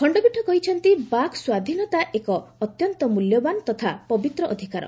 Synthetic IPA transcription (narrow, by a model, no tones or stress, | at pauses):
kʰɔɳɖɔbiʈʰːɔkɔɦit͡ʃʰɔnt̪ibakswad̪ʱinɔt̪aʔekɔːt̪jɔnt̪ɔmuljɔbant̪ɔt̪ʰapɔbit̪ɾɔʔɔd̪ʱikaɾɔ̰